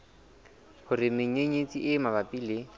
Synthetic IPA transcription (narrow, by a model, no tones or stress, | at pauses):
hʊrɪmeŋ̩eɲet͡sʼiʔɪmabapʼiːlɪ